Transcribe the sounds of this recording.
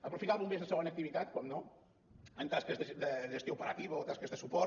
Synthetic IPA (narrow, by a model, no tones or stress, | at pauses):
əpɾufit̪aβummezðəsəɣonək̚t̪iβit̪at̪̚kɔmno | ənt̪askəzðəd̪əðəʒəst̪jowpəɾat̪iβəot̪askəzðəsupɔ